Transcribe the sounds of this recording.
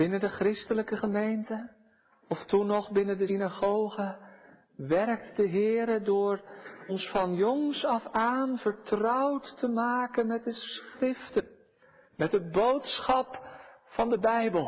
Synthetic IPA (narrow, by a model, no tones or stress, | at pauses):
bɪnəndəχrɪstələkəχəmejntə | ɔftunɔχbɪnəndəsinaχowχə | ʋɛrk̚tdəɦɪːɾədʊːɹɔnsfɑnjɔŋsɑfaːnvəɹtrʌwtːəmaːkənmɛt̚dəsχrɪftən | mɛt̚dəbowtsχɑp | fɑndəbɛjbəlˠ